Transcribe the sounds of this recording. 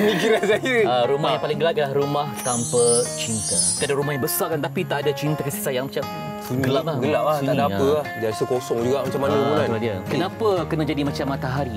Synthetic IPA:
əmikiɾansajəaɾumahjãŋpalɪŋɡəlaʔ̚p̚ialahɾumãht̪ampət͡ʃint̪at̪ʔadaɾumahɦjãbəsakant̪apit̪aʔadat͡ʃint̪akəsisajaŋmat͡ʃam | uɲɡɡəlap̚lahɡəlaʔlasuɲadaaəlad͡ʒasəkosɔŋd͡ʒuɡaʔmat͡ʃamːanəuɾauɾadiakənãpakənãd͡ʒadimat͡ʃamːat̪aɦaɾi

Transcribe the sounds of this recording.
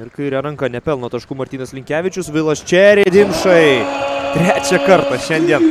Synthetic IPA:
ɪɾkɐɪɾʲɛɾɐŋkɐnʲɛpʲɛlˠnot̪ɐʃkʊːmɐɾʲt̪ʲiːnɐslʲɪŋʲkʲæːʋʲɪt͡ʃʲʊsʋʲɪlˠɐsʲt͡ʃʲɛɾʲed̪ʲɪmʃɐɪt̪ʲɾʲæːt͡ʃʲɛkɐɾt̪ɑʃʲɛnʲd̪ʲiɛn

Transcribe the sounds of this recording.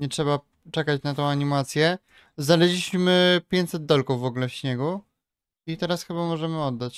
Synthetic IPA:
ɲɛtʂɛba | t͡ʂɛkat͡ɕnat̪ɔ̃w̃aɲimat̪sʲjɛ | znalɛd͡ʑʲiɕmɘpʲjeɲt̪sɛd̪̚d̪ɔlkuvːɔɡulɛfɕɲɛɡu | it̪ɛɾasxɘbamɔʐɛmɘɔd̪ːat͡ɕ

